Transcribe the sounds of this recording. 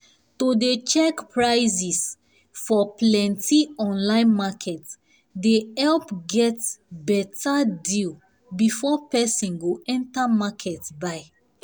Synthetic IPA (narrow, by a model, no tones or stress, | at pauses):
todet͡ʃɛkpɹaɪzis | fɔplɛ̃ntʰiɔ̃nlãɪ̃nmakʰɛt | deɛlpɡɛtbɛtʰadil | bifɔpɛsĩnɡoɛ̃ntamakʰɛtbaɪ